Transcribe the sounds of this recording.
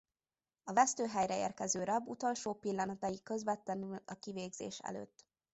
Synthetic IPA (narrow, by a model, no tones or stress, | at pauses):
ɒvɛst̪øːɦɛjrɛḛːrkɛzøːɾɒbut̪o̞lʃoːpilːɒnɒt̪ɒjikø̞zvɛt̪ːɛnylɒkiveːɡzḛːʃɛ̰lø̰ːt̪ː